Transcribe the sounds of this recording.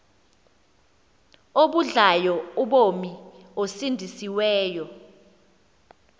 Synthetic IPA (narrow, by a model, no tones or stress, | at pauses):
oɓuɮajɔuɓomi | osindʱisiwɛːjɔ